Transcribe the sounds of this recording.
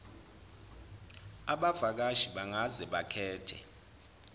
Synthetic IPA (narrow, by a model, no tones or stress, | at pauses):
aɓavak̬aʒiɓaŋazɛɓakʰɛːtʰɛ̰